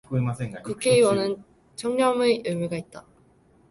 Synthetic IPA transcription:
kmseŋakukʰe̞iwʌnɯn | t͡ɕʰʌŋɲʌmɯɯmuɡait̚t͈a

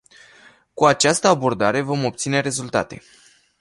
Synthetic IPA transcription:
kuat͡ʃast̪əabo̞rd̪aɾe̞vo̞mo̞p̚t̪sine̞ɾe̞zult̪a̰t̪e̞̰

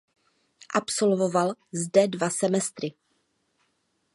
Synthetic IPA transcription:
ʔapso̞lvo̞valzdɛdvasɛmɛst̪ɾɪ

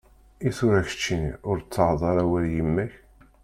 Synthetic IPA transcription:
iθʊɾæçə̥t͡ʃːiniʊɾt͡sːəʕðˤɑɾˤæwæɾjimːæç

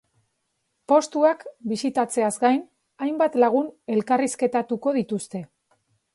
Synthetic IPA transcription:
po̞st̪uakbisit̪at͡se̞azɡajn | ajmbat̪laɣ̞une̞lkariske̞t̪at̪uko̞ðit̪ust̪e̞

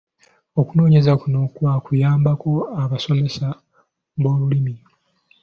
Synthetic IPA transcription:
o̞kuno̞ːɲe̞zakuno̞kwakujaːmbako̞aβaso̞me̞sa | βo̞ːβulimi

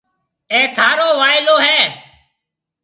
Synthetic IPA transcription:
ẽːt̪ʰaːɾoːʋaːɪloːɦɛː

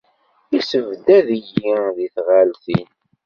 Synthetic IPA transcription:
isəvd̪æðəjiðiθʁælθin

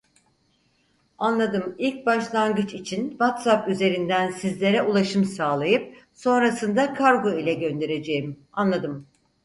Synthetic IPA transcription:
anlˠad̪ɯmilʲc̚baʃlˠanɡɯt͡ʃit͡ʃʰinvat̪sapyze̞ɾind̪ænsizlʲe̞ɾɛulˠaʃɯmsaːlˠajɯp̚so̞nɾasɯnd̪akʰaɾɡoilʲɛɟø̞nd̪e̞ɾe̞d͡ʒe̞jim | anlˠad̪ɯm

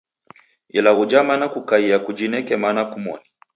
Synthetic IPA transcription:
ilaɣud͡ʒamanakukaiakud͡ʒinɛkɛmanakumɔ̰ni

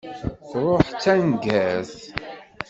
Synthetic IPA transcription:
θɾˤoħt͡sːænɡæθ

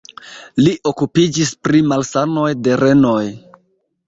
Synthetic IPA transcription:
liʔo̞kupid͡ʒispɾimalsano̞jde̞ɾe̞no̞j

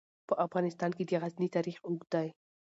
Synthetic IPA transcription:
pəʔafʁɑnɪst̪ɑnked̪aɣaznit̪ɑɾiχʊɡd̪aj

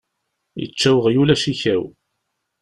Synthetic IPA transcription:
jə̰t͡ʃːæwəʁjulæʃiçæw

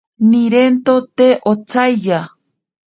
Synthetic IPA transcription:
niɾent̪ot̪eʔot͡sʰajja

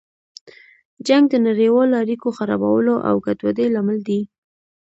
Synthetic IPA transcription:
d͡ʒaŋɡ̚d̪ənaɾewɑloaɾikoxaɾɑ̰ba̰wəloʔa̰wɡat̪wad̪ejlamald̪i

